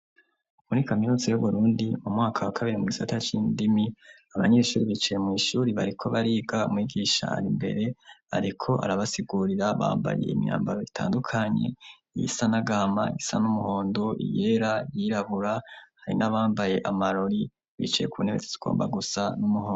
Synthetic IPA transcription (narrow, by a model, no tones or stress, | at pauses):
muɾikaminuːzejoβuɾuːndimumŋaːkʰawakʰaβiɾimuɡisatat͡ʃiːndimi | aβaɲe̞ːʃuːɾiβit͡ʃejemŋiːʃuːɾiβaɾikʰo̞βaɾiːɡaṵmwiːɡiʃa̰a̰ɾimbe̞̰ɾe̞a̰ɾikʰo̞ʔa̰ɾaβasiɡuɾiɾaβa̰ːmba̰je̞̰imija̰ːmbaɾo̞itʰa̰ːndukʰaɲe̞̰ | jḭsanaɡaːma̰jisa̰numuho̞ːndo̞ʔḭje̞ɾajiɾaβuɾahaɾḭnaβaːmbaje̞ʔamaɾo̞ɾi | βḭt͡ʃajḛkuunheβet͡sez̥iɡ̥o̰ːmba̰ɡusanumuhoːo